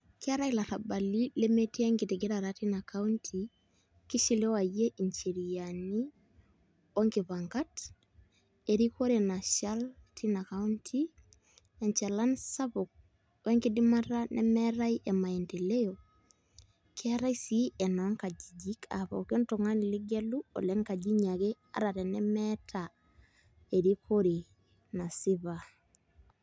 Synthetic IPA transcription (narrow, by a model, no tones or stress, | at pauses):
kiaɾajlaɾabalilemetiŋɡitiɡiɾaɾatinakʰauntʰi | kiʃilewajeʔint͡ʃiɾijani | woŋkiβaŋkat | eɾikoɾenaʃaltʰinakauntʰi | ɛɲt͡ʃalansabuk̚ | weŋkidimaɾanʔɛmɛɾaiʔemaendelejo | kʰiaɾaisiɛnɔŋkad͡ʒid͡ʒikʰa̰βɔ̰kɔntɔŋaniliɡeluo̰leŋkad͡ʒiɲake | a̰ɾaɾɛnɛmɛtʰa | eɾikʰoɾi | nasiβa